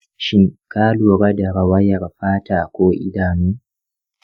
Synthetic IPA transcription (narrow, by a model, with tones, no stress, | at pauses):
ʃɪ˦ŋkaː˦luː˨ɽa˦da˨ɽa˨wɐ˦jɐ˨rɸaː˦taː˨kʷoː˦ʔɪ̰˦daː˨nuː˦